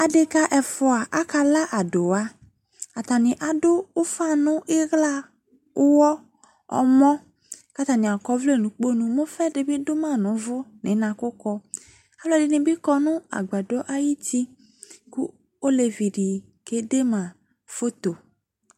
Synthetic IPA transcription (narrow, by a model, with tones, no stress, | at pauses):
a˨de˦ka˦ʔɛ˨fɔ˦a˨ʔa˦ka˦la˦ʔa˨dʊ˨wa˦ | a˨t̪a˨nɪ̃˨ʔa˨dʊ˦ʊ˦fa˦nʊ̃˦ʔɪ˦ɣla˦ | ʊ˦wɔ˦ | ɔ̰˨mɔ̃˦ | ka˦t̪a˨nɪ̃˨a˨kɔ˦vle˦˨nũ˨˦k͡po˦nũ˨mõ˦fɛ˦dɪ˨bɪ˦dʊ˦mã˦˨nʊ̃˨˦vʊ˦nɪ̃˨˦nã˨kʊ˦kɔ˦ | a˦blɔ˨˦˨dɪ˨˦nɪ̃˨bɪ˦kɔ˦nʊ̃˦a̰˨ɡ͡ba˨dɔ˦ʔa˦ji˦ti˦ | ku˦ | o˦le˨vi˨ɖi˨ | ke˦de˦mã˨ | fo˦t̪o˨